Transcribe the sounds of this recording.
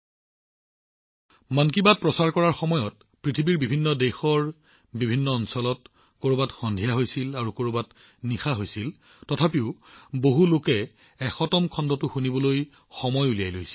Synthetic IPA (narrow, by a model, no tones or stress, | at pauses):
mank̬ibat̚pɹɔsaɹkɔɹaɹxɔmɔjɔt̚ | pɹitʰibiɹbibʱinːɔdɛxɔɹ | bibʱinːɔːnsɔlɔt | koɹobatxɔndʱijaɦojsilaɹukoɹobat | nixaɦojsil | tɔtʰapiʊboɦulokɛː | xɔtɔmkʰɔndɔtʊxunibɔloj | xɔmɔjulijajlojsi̥l